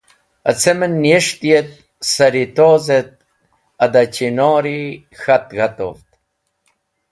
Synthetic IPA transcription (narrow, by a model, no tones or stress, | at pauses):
at͡semənːjeʂt̪jet̪̚ | saɾit̪oːzet̪̚ | ad̪at͡ɕinoːɾi | xat̪ɣat̪o̰ft̪̚